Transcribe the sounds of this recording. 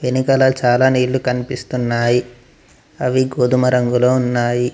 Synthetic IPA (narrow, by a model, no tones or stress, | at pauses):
ʋenikɐlɐt͡ʃaːlaːniːɭːukɐnipist̪unːaːji | ɐʋiɡoːd̪umɐɾɐŋɡuloːunːaːji